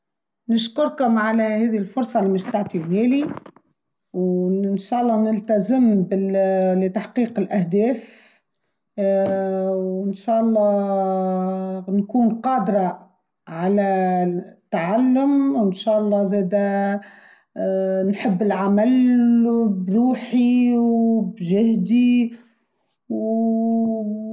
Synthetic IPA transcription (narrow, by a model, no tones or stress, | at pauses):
nʊʃkʊɾkʊmʕalæhɛːðilfʊɾˤsˤɑlimɪʃt̪aʕt̪ibhɛːli | wnʃæːʔɑlˤːɑːnɪlt̪azɪmbɪlɪt̪aħqiːqɪlʔæhd̪ɛːf | wɪnʃæːʔɑlˤːɑː | nkuːnqɑːd̪ɾˤɑ | ʕalæ | t̪ːaʕalːʊmwɪnʃæːʔɑlˤːɑːzɛːd̪æ | nħɪbːɪlʕamal | bɾuːħiwbʒɪhd̪i | w